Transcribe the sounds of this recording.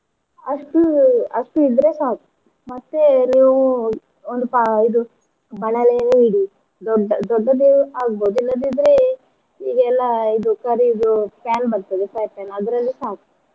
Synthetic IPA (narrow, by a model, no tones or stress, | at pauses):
ɐsʈuɐ̰sʈuid̪ɾesaːk̪̚ | mɐt̪ːeniu | ond̪upaid̪u | bɐnaːleniɽi | ɖd̪ɔɖːad̪iaɡbod͡ʒilad̪id̪ɾe | iɡɛlːaid̪ukɐɾiːd̪upɛːnbɐɾt̪ad̪esapɛnɐd̪ɾɐlːisaːk̪